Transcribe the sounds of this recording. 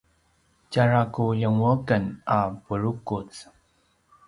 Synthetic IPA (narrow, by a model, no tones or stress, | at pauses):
caɹakujəŋəkənapuɻukut͡s